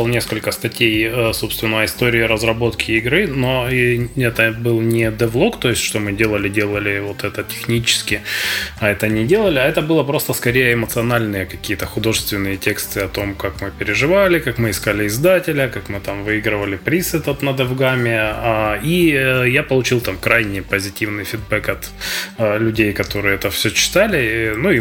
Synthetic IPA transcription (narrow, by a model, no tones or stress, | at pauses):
lˠnʲe̞skəlʲkəst̪ɐtʲejəso̞pst̪vʲɪnːəɪst̪o̞ɾʲɪɪɾəzrɐbo̞t̪kʲɪːɡɾɨno̞ɛt̪əbɨlˠnʲɪd̪ɛvlˠo̞kt̪o̞jɪsʲtʲʂt̪o̞mɨdʲe̞lˠəlʲɪdʲe̞lˠəlʲɪvo̞t̪ɛt̪ətʲɪ̥xnʲit͡ɕɪ̥skʲɪɐɛt̪ənʲɪdʲe̞lˠəlʲɪɐɛt̪əbɨlˠəpɾo̞st̪əskɐɾʲejəɪmət̪sɨɐnalʲnɨjəkɐkʲijət̪əxʊd̪o̞ʐɨst̪vʲɪnːɨjətʲe̞kst̪ɨɐt̪o̞mkakmɨpʲɪɾʲɪʐɨvalʲɪkakmɨɪskalʲɪɪzd̪atʲɪlʲəkakmɨt̪amvɨiɡɾɨvəlʲɪpɾʲisɨt̪ɐt̪nəd̪ɐvɡamʲɪaijapəlˠʊt͡ɕilˠt̪amkɾajnʲɪjpəzʲɪtʲivnɨjfʲɪd̪̚bɛkɐt̪ | lʲʉdʲejkɐt̪o̞ɾɨjəɛt̪əfsʲɵt͡ɕːɪ̥t̪alʲɪnui